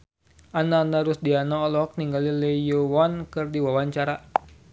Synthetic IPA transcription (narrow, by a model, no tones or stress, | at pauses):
ʔanaːndaɾusdianaɔlɔk̚niŋɡaliləjowankɨrdiwawaɲt͡ʃaɾa